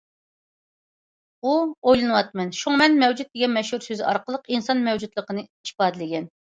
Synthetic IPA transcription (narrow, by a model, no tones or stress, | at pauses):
uojlˠɨnɨwɑt̪̚mɛnʃuŋmɛnmɛwd͡ʒut̪̚d̪ɪɡʲɛnmɛʃhuɾsøzɪɑɾqəlˠəqinsɑnmɛwd͡ʒud̪lˠəqənɨi̥ʃpɑːd̪ɨlɪɡʲɛn